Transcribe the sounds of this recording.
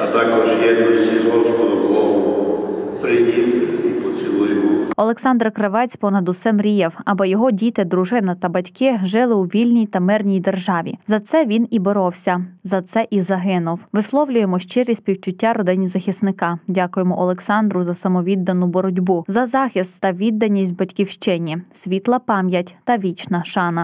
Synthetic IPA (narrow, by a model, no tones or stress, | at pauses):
ɐt̪ɑkɔʒjɛd̪ɔsʲiɦɔskɔd̪ɔklˠɔʋɔ | pɾɪdʲit̪ɪipɔt͡sʲilˠɪjʊʊɔlˠeksɑnd̪rkɾɐʋɛt͡sʲpɔnɐd̪ʊsɛmɾʲijɛwɐbɔjɔɦɔdʲit̪ɪd̪ɾʊʒɪnɐt̪ɐbɐtʲkɪʒɪlˠɪwʋʲilʲnʲijt̪ɐmɪrnʲijd̪erʒɑʋʲḭzɐt̪sɛʋʲinibɔɾɔwsʲɐzɐt̪sɛʔizɐɦɪnʊwʋɪslˠɔwlʲʊjemɔʃt͡ʃɪɾʲisʲpʲiwt͡ʃʊtʲːaɾɔd̪ɪnʲizɐxʲisnɪkɑdʲakʊjemɔʔɔlˠeksɑnd̪ɾʊzɐsɐmɔʋʲid̪ːɐnʊbɔɾɔdʲbuzɐzɑxʲist̪ːɐʋʲid̪ːɐnʲisʲt̚ʲbɐtʲkʲiwʃt͡ʃɪnʲisʲʋʲit̪lˠɐpɑmʲjɐtʲt̪ɐʋʲit͡ʃnɐʃɑnɐ